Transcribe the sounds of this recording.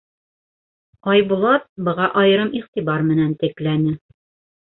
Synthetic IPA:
ɒjbulˠɑt̪̚bɤ̆ʁɑʔɒjɤ̆ɾɤmiχt̪ibɑɾmɘ̆nænt̪ɘ̆klænɘ

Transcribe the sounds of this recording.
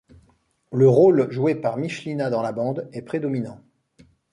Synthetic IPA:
ləʁolʒuepaʁmiʃlinad̪ɑ̃labɑ̃d̪ɛpχed̪ɔminɑ̃

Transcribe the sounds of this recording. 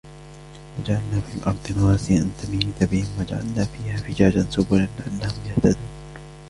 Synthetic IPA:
wad͡ʒaʕalnaːfiːlʔɑ̰ɾˤd̪ˤɪnawaːsɪʔant̪amiːɪt̪abɪhɪmwad͡ʒaʕa̰lnaːfiːhaːfɪd͡ʒaːd͡ʒansʊbʊlanlɪʔanːahʊmjaht̪ad̪uːn

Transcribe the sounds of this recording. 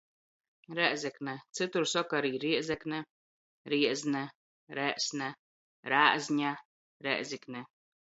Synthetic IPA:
ɾɛʔzʲɛknɛt̪sɨt̪uɾsɔkaɾiːɾiɛzʲɛknɛ | ɾiɛzʲnɛ | ɾɛʔsʲnɛ | ɾaːʔzʲɲʲa | ɾɛ̰ʔzʲiknɛ

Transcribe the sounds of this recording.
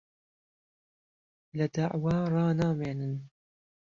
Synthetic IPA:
lad̪aʕwaːɾˤɑːnaːmeːnɨn

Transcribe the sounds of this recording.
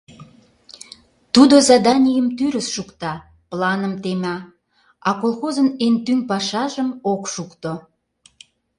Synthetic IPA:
t̪ud̪ozɑd̪ɑnʲijəmt̪yɾəsʃukt̪ɑ | plɑnəmt̪emʲɑ | ɑkolˠxozənent̪ynʲpɑʃɑʒəmokʃukt̪o

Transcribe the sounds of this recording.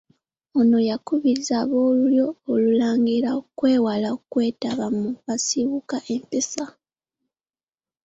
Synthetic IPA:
ono̞jakuβiɾizaβo̞ːluljo̞ːlulaːŋɡiɾaokwe̞ːwalaokwe̞ːtaβamuβasiβukaʔempesa

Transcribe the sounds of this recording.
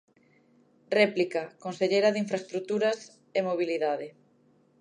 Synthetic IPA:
rɛplikɐkonseʎeɾɐðiɱfɾast̪ɾut̪uɾɐs | emoβ̞iliðað̞ɪ

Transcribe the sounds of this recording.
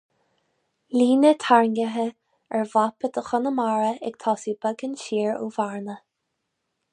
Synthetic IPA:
liːnət̪ʰaɹnɡəɦə | ɛɹvapəd̪əxʊnəmaɹəɛ̰ɡ̥t̪ʰɔːsibəɡənʃiːɹṵvaɹnə

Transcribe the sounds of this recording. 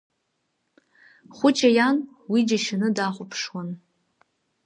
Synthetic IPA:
χʷʊt͡ʃʼajan | wid͡ʒaʃanɨdaχʷʊpʰʂwan

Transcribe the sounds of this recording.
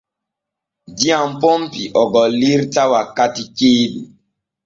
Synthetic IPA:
diampɔmpiʔɔɡɔliɾtawakatikeːdu

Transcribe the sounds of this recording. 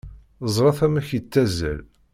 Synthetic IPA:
zˤɾˤɑθæmæçət͡sːæzæ̰l

